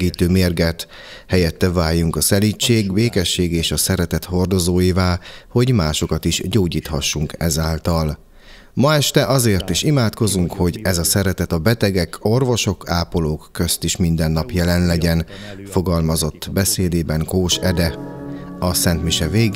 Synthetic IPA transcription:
iːt̪øːmeːrɡɛt̪ | hɛjɛt̪ːɛvaːjːuŋkɒsɛlit͡ʃːeːɡbeːkɛʃːeːɡeːʃɒsɛɾɛt̪ɛt̪ho̞rd̪o̞zoːjivaːlho̞ɟmaːʃo̞kɒt̪iʃɟoːɟiːt̪hɒʃːuŋkɛzaːlt̪ɒl | mɒɛʃt̪ɛʔɒzeːrt̪iʃimaːt̪ko̞zuŋkho̞ɟɛzɒsɛɾɛt̪ɛt̪ɒbɛt̪ɛɡɛkʰo̞rvo̞ʃo̞kʰaːpoloːkːø̞st̪iʃmind̪ɛnːɒpjɛlɛnlɛɟɛnfo̞ɡɒlmɒzo̞t̪ːbɛseːd̪eːbɛŋkoːʃɛd̪ɛ | ɒsɛnt̪miʃɛveːɡ

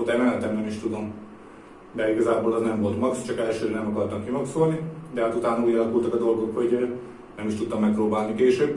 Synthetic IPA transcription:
olt̪ɛmɛnɛt̪ɛmbɛniʃt̪ud̪o̞m | d̪ɛiɡɒzaːboːlɛznɛɱvo̞lt̪mɒkst͡ʃɒkɛlʃøːnɛmɒkɒrt̪ɒmkimɒksoːlnid̪ɛɦat̪ut̪aːnɒuːɟɒlɒkult̪ɒkɒd̪o̞lɡo̞kho̞ɟ | nɛmiʃt̪ut̪ːɒmːɛk̚prɾoːbaːlnikeːʃøːb

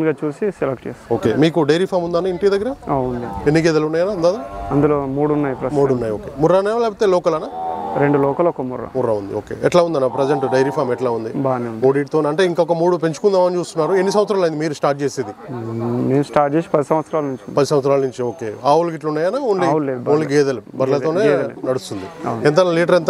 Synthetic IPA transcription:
nɡaːt͡ʃuːsiselek̚ʈt͡ʃeːsoːkeːmiːkuɖɐjɾipʰaːmund̪aːnaiɳʈijɐd̪ɐɡːɐɾɐaund̪ienːik̬eːd̪ɐlunːaːjɐnaːund̪aːd̪aɐnd̪uloːmuːɽunːaːjipɾɐmuːɽunːaːjoːkeːmurːanaːjolɛːp̬ot̪ːeːlɔːkɐlɐnaːɾeɳɖulɔːkɐlɔkːɐmurɐ̰murːɐund̪ḭoːkḛːɛʈlaːund̪ɐnapɾɐd͡ʒeɳʈɖɐjɾipʰaːmɛʈlaːund̪ibaːniundoːɽiːʈ̚t̪onɐɳʈeːiŋkaɔkɐmuːɽup̬eɲt͡ʃu̥kund̪aːmɐnit͡ʃuːst̪unːaːɾuenːis̬ɐmʋɐt̪sɾaːlɐjind̪imiːɾusʈaːɾʈ̚t͡ʃeːseːd̪imeːmsʈaːʈ̚t͡ʃeːsi̥pɐd̪isɐ̃mʋɐt̪sɐɾaːlnuɲt͡ʃunpɐd̪isɐmʋɐt̪s̬ɾaːlɐnuɲt͡ʃioːkeːaːwulɡiʈlunːaːjɐnaːunliuleboːliɡɛːd̪ɐlubɐɾlɐt̪oːneːɐnɐɽust̪und̪iɐwnɛnt̪̬ɐnaliːʈ̬ɐɾent̪

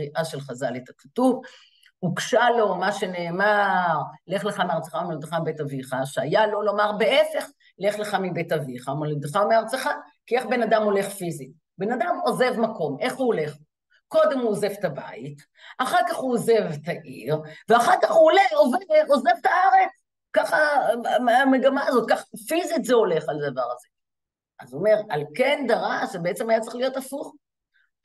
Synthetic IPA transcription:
ʁiʔaʃelχazalet̪ḁkḁtuv | ukʃalo̞maʃe̞ne̞ːmaʁle̞χleχameaʁt͡se̥χameod̪eχambetaviχaʃeajalo̞lo̞maʁbe̞ʔe̞fe̞χ | le̞χleχamibetaviχamoled̪eχameaʁt͡seχa | kie̞χbe̞nad̪amo̞le̞χfizi | benad̪amo̞ze̞vmako̞mʔe̞χuole̞χ | ko̞d̪e̞muoze̞vt̪aba̰it | aχaʁkaχuoze̞vt̪aʔḭʁveaχaʁkaχhuoleoveveoze̞vt̪aaʁe̞t͡s | kaχameameɡamaːzot̪̚kaχafizit̪zeo̞le̞χalad̪avaʁaze | ʔazuome̞ʁalke̞nd̪aʁaʃebeet͡semajat͡sʁe̥χlijotafuχ

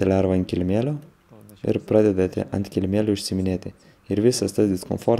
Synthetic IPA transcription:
ɛlʲæːɾʋɐnt̪ʲkʲɪlʲmʲeːlʲoː | ɪ̰ɾpɾɑːd̪ʲɛd̪ɐt̪ʲɪ̰ʔɐ̰nt̪ʲkʲɪlʲmʲeːlʲʊʊʃʲsʲɪmʲɪnʲeːt̪ʲɪ | ɪɾʋʲɪsɐst̪ɐsd̪ʲɪskɔ̰mfoːɾ

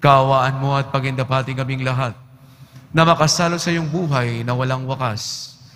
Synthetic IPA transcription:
kɐʔɐwaːʔɐnmo̞ʔɐt̪̚pɐɡɪnd̪ɐpaːt̪ɪŋkɐmɪŋlɐɦat̪̚ | nɐmɐkɐsaːlosɐjoŋbuːɦɐjnɐwɐlaŋwɐkas

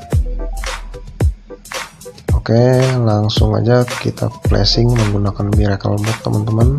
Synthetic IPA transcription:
okelaŋsʊŋa̰d͡ʒakit̪ʰa̰plḛsɪŋməŋɡunakanbiɾekəlbɔk̚t̪əmʔant̪əman

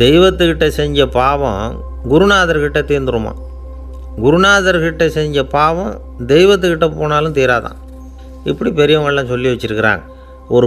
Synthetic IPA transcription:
d̪ɛɪʋɐt̪ːɯkːɪʈːɐsɛɲd͡ʒɐpaːʋɐ̰̃ | ɡʊɾʊnaːðɐɾkɪʈːɐt̪ːiːɾnd̪ɯɾɯmã̰ː | ɡʊɾʊnaːðɐɾkɪʈːɐsɛɲd͡ʒɐpaːʋɐ̃ | d̪ɛjɪʋɐt̪̬ːɯkːɪʈːɐpːoːnaːlɯ̃t̪iːɾaːðã̰ː | ɪpːɐɽipɛɾɪjɐmɐɭlːãːsɔlːiʋɐt͡ʃːɪɾɯkːɪɾa̰ːŋɡɐ | ɔɾɯ

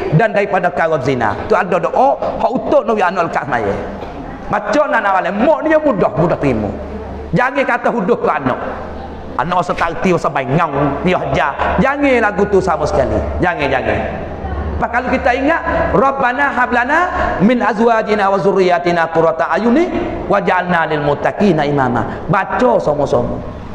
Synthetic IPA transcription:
dandaipadakawɔt̪zina̰t̪uandɔdɔʔɔʔhɔʔut̪oʔnɔwianɔʔlkaʔsma̰jɛ̰ | mat͡ʃɔnanawalɛmɔʔnijɔmudɔhmudɔht̪ɾimṵ | d͡ʒaŋekat̪əɦudʊhkɔanɔ̰ʔ | a̰nɔʔɔsət̪at̪iwɔsabaiŋawnijɔhd͡ʒad͡ʒaŋelaɡut̪usamasə̥kalḭd͡ʒaŋed͡ʒaŋḛ | bakalukit̪aiŋaʔrɔbːanaɦablanamɪnʔazwad͡ʒinawazurijat̪inakuɾɔt̪aʔajuni | wad͡ʒanːalɪlmʊt̪ːakinaima̰ma̰ | bat͡ʃɔsɔmɔsɔ̰mɔ̰

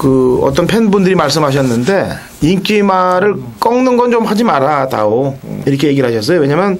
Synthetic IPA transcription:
kɯʌ̰t̬͈ʌnpʰenbundɯɾimaɭs͈ɯmɦaɕ̬ʰʌnːɯnde̞ | iŋk͈imaɾɯɭk͈ʌŋnɯnɡʌnt͡ɕomhad͡ʑimaɾada̰ɡoiɾʌkʰeje̞ɡiɭɦaɕʰʌs͈ʌjowe̞ɲamjʌn

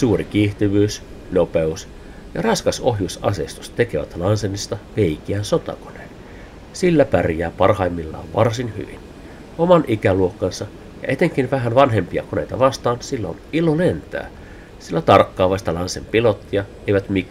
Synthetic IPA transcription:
suːrikiːht̪iʋyːs | nopeus | jɑrɑskɑsohjusɑsest̪u̥st̪ekeʋæ̰t̪lɑnsenːist̪ɑʋeikiæːnsot̪ɑ̰ko̥nḛːn | silːæpærjæːpɑrhɑimːilːɑ̰ːʋʋɑrsinhy̰ʋḭn | omɑnʔikæluokːɑnsɑ | jɑ̰et̪eŋkinʋæɦænʋɑnɦempiɑ̰konḛit̪ɑʋɑst̪ɑːnsilːo̰nilolent̪æ̰ː | silːæt̪ɑrkːɑːʋɑist̪ɑlɑnsempilot̪ːiɑ | eiʋæt̪mik

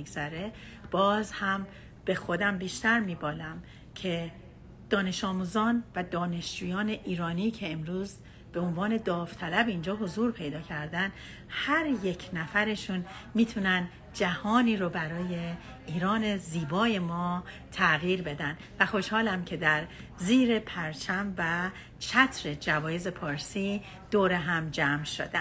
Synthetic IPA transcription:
iɡzæɾe̞ | b̥ɒːzhæm | b̥e̞xo̞d̪æmbiːʃt̪æɾmiːbɒːlæm | cʰe̞ | d̪̥ɒːne̞ʃɒːmuːzɒːnvæd̪ɒːne̞ʃd͡ʒuːjɒːne̞ʔiːɾɒːnicʰe̞ːmɾuːz | b̥e̞onvɒːne̞d̪ɒːft̪ʰælæbind͡ʒɒːɦo̞zuːɾpʰe̞jd̪ɒːcʰæɾd̪ænd̪ | hæɾje̞cʰnæfæɾe̞ʃunmiːt̪ʰunænd̪ | d͡ʒæhɒːniːɾobæɾɒːje̞ | iːɾɒːne̞ziːbɒːje̞mɒː | t̪ʰæɣiːɾbe̞d̪ænd̪væxo̞ʃhɒːlæmcʰe̞d̪æɾ | ziːɾe̞pʰæɾt͡ʃʰæmvæ | t͡ʃʰæt̪ʰɾe̞d͡ʒævɒːjeze̞pʰɒːɾsi | d̪̥oːɾe̞ɦæmd͡ʒæmʃo̰d̪æn

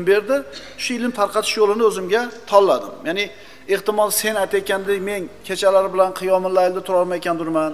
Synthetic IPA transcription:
mbe̞ɾd̪ɪ | ʃʊɪlɪmt̪ʰaɾqʰɑt̪ʰɪ̥ʃjolˠɪnɪɵzɪmɡʲat̪ʰɒlˠːad̪ɪmjanɪ | eht̪ɪmɒlˠse̞najt̪ʰajkʲand̪ɪme̞nkʲʰet͡ʃʰalaɾɪbɪlanqʰɨjɒmɪnlaɪld̪at̪ʰʊɾɒɾˠmajekʲand̪ʊɾman

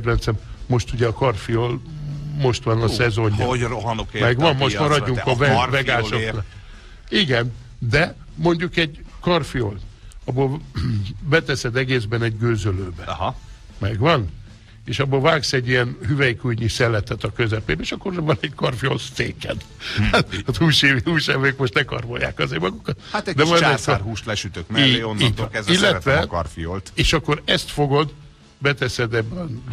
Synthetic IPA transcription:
d̪ɾɛnt̪sɛmmo̞ʃt̪uɟɛɒkɒrfijoːlmo̞ʃt̪ʋɒnɒsɛzo̞ɲːɒonokmɛɡʋɒmmoʃt̪mɒɾɒɒɟːuŋkɒvɛvɛɡaːʃoknɒk | iɡɛn | d̪ɛ | mo̞ɲɟukɛɟkɒrfijolɒboːl | bɛt̪ɛsɛd̪ɛɡeːzbɛnɛɟɡøːzøløːbɛɦ | mɛɡʋɒn | eːʃɒbːoːlvaːksɛɟːijɛnhyvɛjikujɲisɛlːɛt̪ɛt̪ɒkøzɛpeːbɛeːʃɒkːorvɒnɛɟkɒrfijo̰lsseːkɛ̰n | at̪ɒzuːʃeːviuːʃɛvekmo̞ʃt̪nɛkɒ̰rvo̰ja̰ːkɒzeːɾmɒɡukɒt̪hatt̪ɛd̪ɛmɒjarɦuːʃlɛʃyt̪økmlːeonːiɛzilːɛt̪ʋɛkɒrfijolt̪eːʃɒkːo̞ɾɛst̪fo̞ɡo̞d̪ | bɛt̪ɛsɛd̪ɛb̪ː

